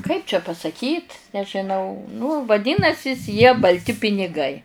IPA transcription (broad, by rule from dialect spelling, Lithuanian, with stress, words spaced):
kɐɪp t͡ʃʲɛ pɐsɐˈkʲiːt nʲɛʒʲɪˈnɐʊ nʊ ʋɐˈdʲɪnɐsʲɪs jiɛ bɐlʲˈtʲɪ pʲɪnʲɪˈɡɐɪ